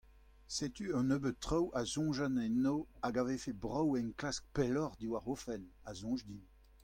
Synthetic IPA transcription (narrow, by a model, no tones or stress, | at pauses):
set̪yɑ̃nøbət̪ːχawazɔ̃ʒanɛ̃nːoaɡavefebʁawɛ̃nklask̚pɛlɔʁd̪iwaʁofɛnazɔ̃ʒd̪in